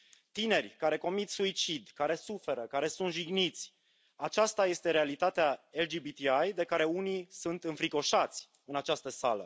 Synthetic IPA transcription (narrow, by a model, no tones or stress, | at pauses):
t̪ine̞rʲkaɾe̞ko̞mit̪suit͡ʃid̪kaɾe̞sufe̞ɾəkaɾe̞sunt̪ʒiɡnit̪sʲ | at͡ʃast̪aje̞st̪e̞ɾe̞alit̪at̪eaeld͡ʒibit̪iajd̪e̞kaɾe̞unisunt̪ɨnfɾiko̞ʃat̪sʲ | ɨnat͡ʃast̪əsalə̰